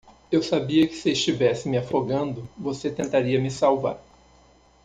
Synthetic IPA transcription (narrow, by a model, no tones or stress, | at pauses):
ewsabiɐkɪ̥sɪɪst͡ʃivɛsɪmɪafoɡɐ̃nd̪ʊvoset̪ẽnt̪aɾiɐmɪsawva̰ɾ